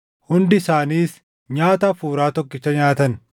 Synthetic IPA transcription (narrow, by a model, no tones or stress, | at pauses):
hʊnd̪ɪsaːniːs | ɲaːt̪ɐfuːɾaːt̪ɔkːɪt͡ʃːɐɲaːt̪ɐn